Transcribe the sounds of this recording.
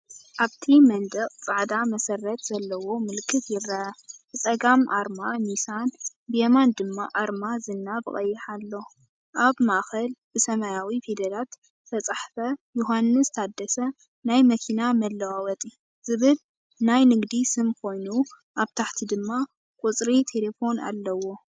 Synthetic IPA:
ʔaβt̪ʰimɐnd̪ɐqʼt͡sʼaʕd̪amɐsɐrːɐt̪z̥ɐlːɐwo̞mɨlkʰːɨt̪jɪrːaat͡sʼɐɡamʔa̰ɾmamisan | bɨjemand̪ɨmːa̰ʔaɾmazɨnːabɨχʼɐ̰jːɪħalːo̞ | ʔaβmaʔxɐlbɨsɐmajawifid̪ɐlat̪ | t̪ʰɐt͡sʼaħfɐjoɦanːɨst̪ʰad̪ːɐsɐ | najmɐkʰinamɐlːɐwawɐt̪ʼi | z̥ɨβɨl | najnɨɡd̪isɨmkʰo̞jnu | ʔaβt̪ʰaħt̪ʰid̪ɨmːa | kʼut͡sʼɾit̪ʰe̞lefo̞na̰lːɐwo̞

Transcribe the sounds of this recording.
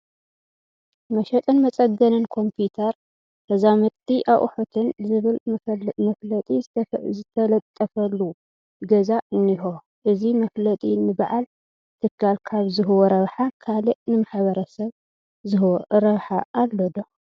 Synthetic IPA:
mɐʃɐt̪ʼɨnmɐt͡sʼɐɡɐnɨnkʰo̞mpʰut̪ʰɐɾ | bɐzamɐt̪ʼːiʔaʔħot̪ʰɨnzɨβɨlɐlɐt̪ʼizɨt̪ʰɐlɐt̪ʼːɐfɐlːu | ɡɐzaʔɨnːiɦo | ʔɨzimɐflɐt̪ʼinɨbaʕal | t̪ʰɨkʰːalkʰaβzɨɦɨwoɾɐβħakʰalɨʔnɨmaħβɐɾɐsɐβ | zɨɦwɾɐβħaʔːlːɐd̪o

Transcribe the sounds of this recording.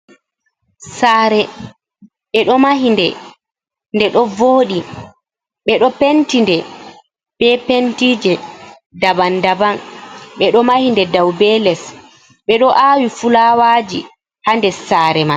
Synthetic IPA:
saːɾɛ | ɓɛɗɔmaɦindɛ | ndɛɗɔvoːɗi | ɓɛɗɔpentindɛ | b̥ɛpentid͡ʒɛ | dabandabanɓɛɗɔmahindɛdawbɛlɛs | ɓɛɗɔʔawifulawaːd͡ʒi | handɛsaɾɛma

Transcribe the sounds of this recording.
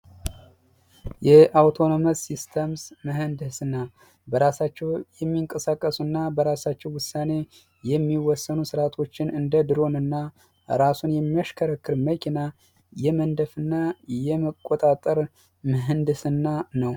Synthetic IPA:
jɛʔawt̪ʰo̞noməsist̪ʰəmsmɨɦɨnd̪ɨsɨnːa | bəɾasat͡ʃːɛwjɛmːiŋkʼəsakʼːəsɨnːabəɾasat͡ʃːɛwʊsːane̞ | jɛmːiwɔsːənusɨɾat̪ʰo̞t͡ʃːɪnɨnd̪əd̪ɨɾo̞nɨnːa | ɾasunjɛmːiaʃkʰəɾəkːɨɾməkʰina | jɛmənd̪əfɨnːajɛməkʼːot̪ʼat̪ʼːəɾ | mɨɦɨnd̪ɨsɨnːanəw

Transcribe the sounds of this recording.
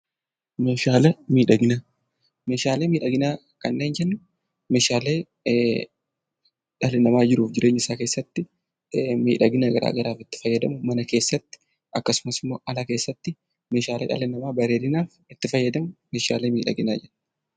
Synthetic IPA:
me̞ːʃaːlɛmiːᶑɐɡɪnaː | me̞ːʃaːleːmiːᶑɐɡɪnaː | kɐnːeːnd͡ʒɛnːʊ | me̞ːʃaːle̞ː | ᶑɐlɪnɐmaːd͡ʒɪɾuːfd͡ʒɪɾʔe̞ːɲːɪsaːke̞ːsːɐt̪ːɪ | mḭːᶑɐɡɪnaɡɐ̰ɾʔa̰ːɡɐɾaːfɪt̪ːɪ̥fɐjːɐd̪ɐmʊmɐnɐke̞ːsːɐt̪ːɪ̥ | ʔɐkːɐsʊmɐsɪmːo̰ːʔɐlake̞ːsːɐt̪ːɪ | me̞ːʃaːleːᶑɐ̰lɪnɐmaːbɐɾe̞ːd̪ɪnaːf | ɪt̪ːɪfɐjːɐd̪ɐmʊmeːʃa̰ːleːmiːᶑɐ̰ɡɪnaːd͡ʒɛn

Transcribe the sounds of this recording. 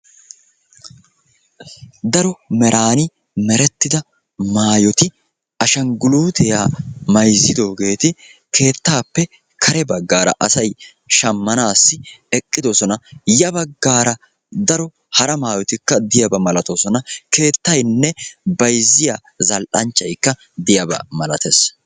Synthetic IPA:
d̪ɐɾɔmɛɾʔaːnɪ | mɛɾɛt̪ːɪd̪ɐ | maːjɔt̪ɪ | ʔɐʃɐŋɡʊluːt̪ɛjaːmɐjzːɪd̪o̞ːɡe̞ːt̪ɪ | kʰe̞ːt̪ːaːpːɛ | kʰɐɾɛbɐɡːaːɾɐ̰ʔɐsɐj | ʃɐmːɐnaːsːɪɛkʼːɪd̪ɔsɔnɐjɐbɐɡːaːɾɐ | d̪ɐɾɔ | hɐɾɐmaːjɔt̪ɪkːɐd̪ɪjɐbɐmɐlɐt̪ɔsɔnɐke̞ːt̪ːɐjnːɛbɐjzːɪjaː | zɐlʔɐnt͡ʃːɐjkːɐ | d̪ɪjɐbɐ̰mɐlɐt̪es

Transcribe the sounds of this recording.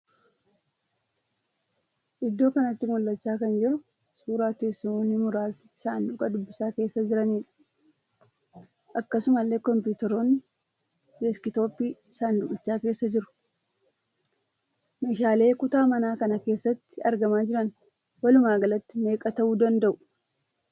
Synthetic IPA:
ʔɪd̪ːo̞ːkɐnɐt̪ːɪmɔlːɐt͡ʃːaːkɐnd͡ʒɪɾʊ | suːɾaːt̪esonːɪmʊɾaːssaːndʊkʼɐd̪ʊbːɪsaːke̞ːsːɐd͡ʒɪɾɐniːᶑɐ̥ | ʔɐkːɐsʊmɐlːe̞ːkɔmpjuːt̪ɛɾoːnː | dɛskɪt̪o̞ːpːiːsaːnd̪ʊkʼɪt͡ʃːaːke̞ːsːɐd͡ʒɪɾʊ̥ | me̞ːʃaːle̞ːkʊt̪aːmɐnaːkɐnɐke̞ːsːɐt̪ːɪɐɾɡɐmaːd͡ʒɪɾɐn | wɐlʊmaːɡɐlɐt̪ːɪme̞ːkʼɐt̪ɐʔuːd̪ɐnd̪ɐʔʊ

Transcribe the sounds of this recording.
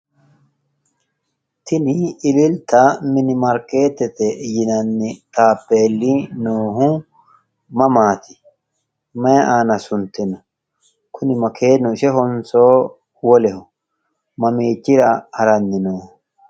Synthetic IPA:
t̪ɪnɪɪlɪlt̪ɐmɪnɪmɐɾkeːt̪ɛt̪ɛjɪnɐnːɪt̪aːpːeːlːinoːɦʊ | mɐmaːt̪ɪ̥ | mɐʔaːnɐsʊnt̪ɛnʊ̥ | kʰʊnɪmɐkʰeːnːʊɪʃɛɦɔnsoː | wɔlɛhʊ | mɐmeːt͡ʃːɪɾɐhɐɾɐnːɪnoːh

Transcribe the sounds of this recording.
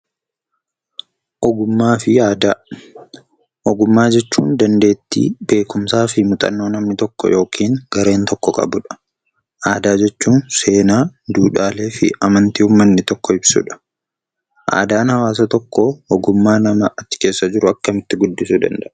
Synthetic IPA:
ʔɔɡʊmːaːfɪaːd̪aː | ʔɔɡʊmːaːd͡ʒɛt͡ʃːuːnd̪ɐnd̪e̞ːt̪ːḭːb̥e̞ːkʊmsaːfɪmʊt̪ʼɐ̰nːo̞ːnɐmnɪt̪ɔkːɔ̰jo̞ːkʰiːŋɡ̥ɐɾe̞ːnt̪ɔkːɔkʼɐ̰bʊᶑɐ̥ | ʔaːd̪aːd͡ʒɛt͡ʃːuːnse̞ːnaːd̪uːᶑaːle̞ːfɪ̰ɐmɐnt̪iːhʊmːɐnːɪt̪ɔkːɔɪbsṵᶑɐ̥ | ʔa̰ːd̪aːnhɐwaːs̬ɐt̪ɔkːɔːɡʊmːaːnɐmɐɐt̪ːɪ̥ke̞ːsːɐd͡ʒɪɾʊɐkːɐmɪt̪ːɪɡʊd̪ːɪsud̪ɐ̰nd̪ɐʔɐ

